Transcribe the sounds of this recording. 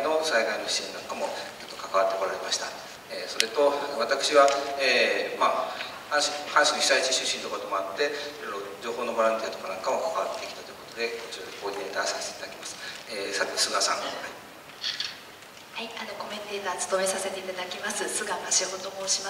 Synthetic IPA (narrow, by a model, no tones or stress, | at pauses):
no̞saiɡ̪ainoɕi̥ɕĩnnãŋkamo̞t͡ɕo̞t̪ːo̞kakaβat̪ːe̞ko̞ɾaɾe̞maɕi̥t̪a | eːso̞ɾe̞t̪o̞βat̪akɯ̟̥ɕiβaeːmaː | hãɕihãɰ̃ɕiniçi̥sait͡ɕi̥ɕɨɕĩnt̪oko̞t̪o̞mo̞at̪ːe̞iɾo̞jɾo̞d͡ʑo̞ːho̞ːno̞boɾãnt̪iat̪o̞kanãŋkamokakaβat̪ːe̞kʲi̥t̪ḁt̪ojiɯ̟ko̞t̪o̞d̪e̞kot͡ɕiokot̪eːt̪aːsaset̪eit̪ad̪ḁkʲimasɨ̥eːsat̪e̞sɨɡasã̰ŋhai | haiano̞ko̞mẽ̞nt̪e̞ːt̪aːt͡sɨ̥t̪o̞e̞sase̞t̪e̞it̪ad̪akʲimasɨsɨɡamaɕiɦot̪o̞moːɕima